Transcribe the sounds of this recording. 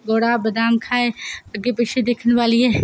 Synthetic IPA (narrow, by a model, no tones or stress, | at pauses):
ɡoːɽabɐd̪aːmkʰaːeɐɡepɪt͡ʃʰed̪eːkʰən̆ʋaːliɛː